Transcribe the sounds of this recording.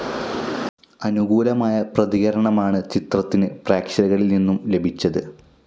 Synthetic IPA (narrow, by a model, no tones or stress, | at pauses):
ɐnuɣuːlɐmaːjɐprɐðiɣɐɾɐɳɐmaːɳɨt͡ɕit̪rɐt̪ːinɨpraːkʂɐlɐɣɐɭilninːumle̞bʱit͡ɕːɐðɨ